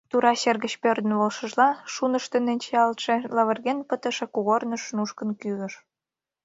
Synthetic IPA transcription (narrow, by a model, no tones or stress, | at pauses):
t̪uɾɑɕerɣə̆t͡ɕpørd̪ənβolʃə̆ʒlɑʃunə̆ʃt̪ə̆nenʲt͡ɕeɑlt̪ʃĕlɑβə̆rɣenpət̪ə̆ʃĕkuɣornə̆ʃnuʃkə̆nkyɣə̆ʃ